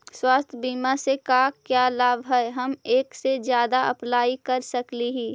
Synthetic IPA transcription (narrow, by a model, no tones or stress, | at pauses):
swaːst̪ʰbiːmasekakjaːlaːbɦɛɦɐmeːksed͡ʒjaːd̪aɐplaːikɐɾsɐkliɦiː